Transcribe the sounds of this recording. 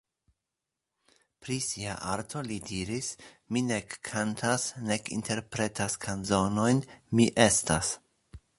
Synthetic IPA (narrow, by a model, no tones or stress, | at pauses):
pɾisia̰ʔaɾtʰo̞lidiɾis | minekʰːantʰasne̞kḭntʰe̞ɾpɾe̞tʰaskʰanzo̞no̞jnmiʔe̞stas